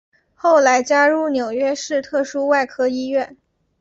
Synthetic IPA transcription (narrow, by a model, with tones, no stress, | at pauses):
xo˥˩ʊla˧˥ɪt͡ɕja˥ɻu˥˩njo˨˩ʊɥɛ˥ʂɻ̩˥˧t̪ʰɤ˥˩ʂu˥wa˥˩ɪkʰɤ˥i˥ɥɛ˥˩n